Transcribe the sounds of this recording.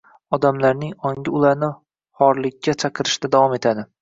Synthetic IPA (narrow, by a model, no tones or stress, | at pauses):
ɒd̪amlaɾnɪŋɒŋʲɪʊlˠaɾnɪ | hɒɾlɪkʲʰːat͡ʃʰɑqʰɨɾɪʃd̪ad̪avɒme̞t̪ʰad̪ɪ